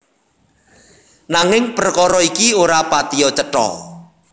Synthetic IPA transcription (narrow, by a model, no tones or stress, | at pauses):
naŋɪŋpərkɔɾɔikioɾapat̪iɔt͡ʃəʈɔ̰